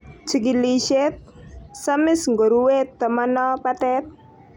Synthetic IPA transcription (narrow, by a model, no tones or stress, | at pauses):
t͡ʃəɡiliʃɛt̪̚samɪsŋɡɔɾuwet̪ːəmənɔpat̪ɛt̪̚